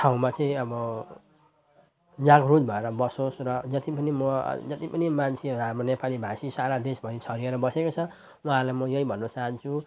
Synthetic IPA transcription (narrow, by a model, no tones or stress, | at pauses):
ʈʰaũmat͡sʌĩʌbʌ | d͡zaɡrud͡zbʱʌeɾʌbʌsosrʌd͡zʌt̪ipʌnimʌ̰d͡zʌt̪ipʌnimant͡sʰeɾamonepalibʱasisaɾad̪esbʱʌnit͡sʰʌɾieɾʌbʌsekot͡sʰʌ | wuɦalajmʌjʌibʱʌnːʌt͡saɦʌnt͡sʰu